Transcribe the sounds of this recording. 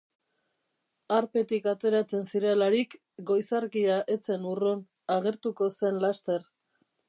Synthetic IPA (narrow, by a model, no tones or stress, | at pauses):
aɾpe̞t̪ikat̪e̞ɾat͡se̞nsiɾe̞laɾik | ɡo̞jsaɾkiaʔe̞t͡se̞nuron | aɣe̞ɾt̪uko̞se̞nlast̪e̞r